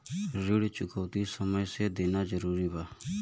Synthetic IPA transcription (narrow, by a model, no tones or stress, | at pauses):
ɾɪɽt͡ʃʊkəːt̪isəməjseːd̪eːnazəɾuːɾiːbaː